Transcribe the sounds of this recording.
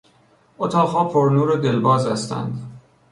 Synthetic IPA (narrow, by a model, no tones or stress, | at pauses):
ʔot̪ʰɒːɣɦɒːpʰoɾnuːɾed̪elbɒːzæst̪ʰæ̰nd̪